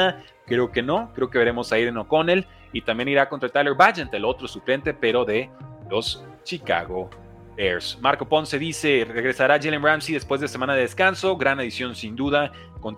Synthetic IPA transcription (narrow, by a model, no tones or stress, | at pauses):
a | kɾe̞o̞ke̞no̞kɾe̞o̞ke̞βe̞ɾe̞mo̞saiɾenoko̞ne̞l | it̪ambje̞niɾakont̪ɾaelt̪ajleɾβad͡ʒend̪elo̞t̪ɾo̞suple̞nt̪e̞pe̞ɾo̞ðe̞lo̞s | t͡ʃika̰ɣo̞ | beɾsmaɾko̞po̞nse̞ðise̞re̞ɣɾesaɾaʝelemramsiðe̞spwe̞zðese̞mãnaðe̞ðeskanso̞ɡɾanaðisjo̞nsind̪uða | ko̞n